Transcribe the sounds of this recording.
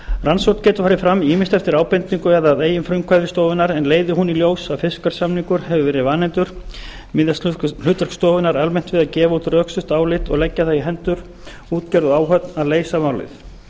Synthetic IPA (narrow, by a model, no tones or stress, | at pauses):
ransowt̪cɛːt̪ʏfaɾɪfɾamːiːmɪst̪ɛft̪ɪɾaːwpɛnt̪niŋkʏɛɣðaðeːjɪnfɾʏŋkʰvajðɪst̪oːwvɪnaɾɛnleːjðɪɦuniljoːwsaðfɪskaɾ̥samniŋkʏɾ̥hɛvʏvɛːɾɪvaːnɛnt̪ʏɾ̥ | mɪðjalʏt̪œr̥kst̪oːvɪnaɾalmɛn̥t̪vɪðaðcɛːvaut̪rœːksʏht̪aːwlɪt̪ɔɣlɛcːaθaiɦɛnt̪ʏɾ̥ | uːt̪cɛɾðʏaːwɦœt̪naðleːjsamaːwlɪ̰θ